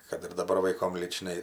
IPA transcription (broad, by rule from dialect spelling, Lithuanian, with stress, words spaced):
kɐt ɪr dɐˈbɐr ʋɐɪˈkoːm lʲiːt͡ʃˈnɐɪ